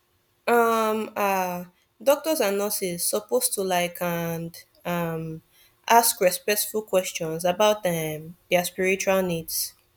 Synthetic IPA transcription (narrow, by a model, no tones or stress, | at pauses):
ʌma | dɔk̚tɔzanɔsizsɔpostulaɪkʰand | ʌm | ʔaskɹɛspɛk̚tfulkʰwɛst͡ʃɔ̃nsabaʊt̚dɛ̃mðɛaspiɹit͡ʃualnids